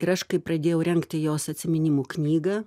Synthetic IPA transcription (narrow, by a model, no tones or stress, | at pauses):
ɪɾɐʃkɐɪpɾɐd̪ʲeːjɛʊɾʲɛŋkt̪ʲɪjoːsɐt̪ʲsʲɪmʲɪnʲɪmuːknʲiːɡɐː